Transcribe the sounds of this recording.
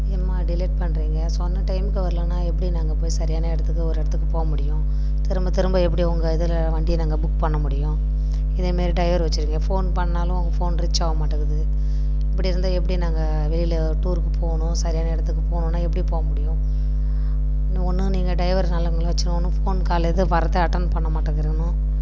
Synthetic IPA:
ɪɐmaːɖɪleːʈ̚pɐɳːɾiːŋɡɐsɔnːɐʈɐɪmɪkːɯʋɐɾɐlɐnːaːɛpːɐɽinaːŋɡɐpoːjisɐɾɪjaːnɐɛɽɐt̪ːɯkːɯɔɾɯɛɽɐt̪ːɯkːɯpoːɣɐmʊɽɪjʊ̃ | t̪ɪɾɯmbɐt̪ɪɾɯmbɐɛp̬ːɐɽiɔŋɡɐɪðɯl | ʋɐɳɖɪjnaːŋɡɐbʊkːpɐɳːɐmʊɽɪjʊ̃ | ɪðɐmeːɾiʈɐɪʋɐɾʋɐt͡ʃːɯɾiːŋɡɐfoːnpɐɳːaːlʊ̃ɔŋɡɐfoːnɾɪt͡ʃːaːʋɐmaːʈːɯɣɐðɯ | ɪpːɐɽiɾɯnd̪aːɛpːɐɽinaːŋɡɐ | ʋɛlɪlɐ | ʈuːɾkːɯpʰoːɣɐɳʊ̃sɐɾɪjaːnɐɪɽɐt̪ːɯkːɯpoːɣɳʊ̃nːaːɛpːɐɽipoːɣɐmʊɽɪjʊ̃ | ɔnːɯniːŋɡɐɖɐɪʋɐɾnaːlɐɪŋɡɐɭɐʋɐt͡ʃːɯñɔnːɯfoːnkaːlɐðɯpɐɾɐt̪ːɐɐʈːɐnpɐɳːɐmaːʈːɯðɪɾɯkːɐɳʊ̃

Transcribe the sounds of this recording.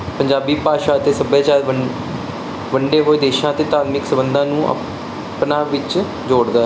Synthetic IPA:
pəɲd͡ʒaːbiːpaːʃaːət̪eːsəbjaːt͡ʃaːɾə | ʋəɳɖeːɦoːiːd̪eːʃãːət̪eːt̪aːt̪mɪksəbənd̪ãːnũːə̰ | pnaːʋɪt͡ʃ | d͡ʒoːɽd̪aː

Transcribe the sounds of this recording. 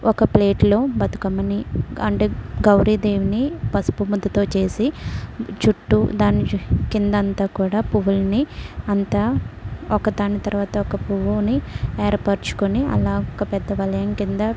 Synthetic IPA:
ɔkɐple̞ːʈlo̞ːbɐt̪u̥kɐmɐniɐɳʈeːɡɐwɾiːd̪eːʋinipɐspumud̪ːɐt̪o̞ːt͡ʃe̞ːsi | t͡ʃuʈːud̪aːnːikind̪ɐɐnt̪aːkuːɽaːpuʋulniɐnt̪aːɔkɐd̪aːnit̪ɐɾʋaːt̪ɐɔkɐpuʋunieːɐɾpɐɾt͡ʃu̥kuniɐ̰laːɔkɐpɛd̪ːɐʋɐlɐjɐŋkind̪ɐ

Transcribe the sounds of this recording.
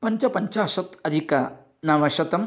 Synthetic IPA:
pɐɲt͡ʃɐpɐɲt͡ʃɐːʃɐt̪ɐd̪ʱikɐ | nɐʋɐʃɐt̪ɐm

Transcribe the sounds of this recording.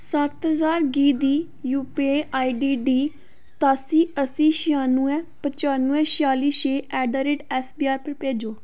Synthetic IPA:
sət̪ɦəzaːɾɡiːd̪iː | juːpeaːiɖiːɖiː | sə̥t̪aːsiːəsiːʃɪjaːnũːɛ̃ːpət͡ʃaːnuːɛ̃ːʃjaːliːʃeːʔɛːɖaːɾeːɖɛːsbiːaːɾpəɾpeːd͡ʒoː

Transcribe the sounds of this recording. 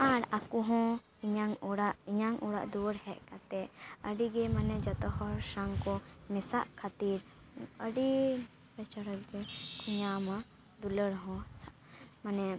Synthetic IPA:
aɾakuɦɔ̃ | iɲaŋɔɽaʔiɲaŋʔuɽa̰ʔd̪uɾhɛʔkat̪ɛəɖiɡɛmanɛd͡ʒɔt̪ɔɦɔɾsaŋkɔmɛsaʔkʰat̪iɾ | əɖi | bɛt͡ʃɔɾəkɡɛk̪ʰuɲama | d̪uləɽɦɔ̃sa | manɛ

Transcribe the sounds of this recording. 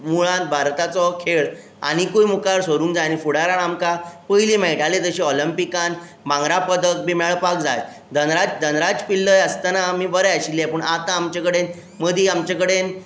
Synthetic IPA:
muɭãn̚bʱaɾt̪at͡sɔkʰeɭ | a̰ɽ̃ikujmukaɾsoɾũːŋkd͡zanifuɽaɾaɳamkapəjlimɛɭʈalet̪əɕiɔlimpikan | mãŋɡɾapəd̪ək̚bimɛɭpak̚d͡za̰j | d̪ʱənɾad͡zd̪ʱənɾad͡zpilːəjəst̪anaːm̤ibəɾəəɕilːɛpəɳat̪ãːmt͡ɕakəɽen | məd̪ʱiamt͡ɕakəɽen

